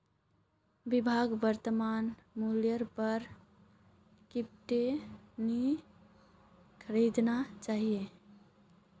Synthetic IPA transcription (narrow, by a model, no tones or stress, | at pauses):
bibʱaɡbəɾt̪əmanmuljəɾpəɾ | kip̚ʈeni | kʰəɾid̪nat͡ʃaɦije